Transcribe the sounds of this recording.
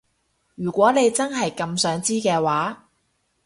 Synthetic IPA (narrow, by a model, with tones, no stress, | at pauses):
jyː˨˩kʷɔː˨˥ne˨˧jt͡sɐ˥nɦɐ˨jkɐ˧msœː˨˥ŋt͡siː˥kɛː˧waː˨˥